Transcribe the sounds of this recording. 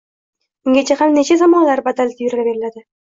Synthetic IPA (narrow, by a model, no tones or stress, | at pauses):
mɪŋɡʲat͡ʃʰahamnet͡ʃʰazamɒnlaɾbad̪alt̪ʰɪjɾalabe̞ɾɪlad̪ɪ